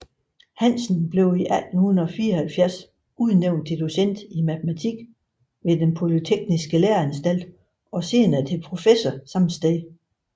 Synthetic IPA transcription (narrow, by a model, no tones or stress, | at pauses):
hænsn̩b̥le̝ʊiʔæl̰d̥n̩hun̩ɒ̽fiːɐɒhælfjæɐs | uð̞ˠneʊ̰nd̥ed̥usen̰d̥imæt͡sʰəmæt͡sʰiɡ̥ | ʋe̝d̥enpʰo̝lit͡sʰeɡ̥̚nisɡ̥əleɐænsd̥æl̰d̥ | ɒ̽se̝ːnɐt͡sʰe̝pʰʁo̝fesɒsɑ̈mnsd̥e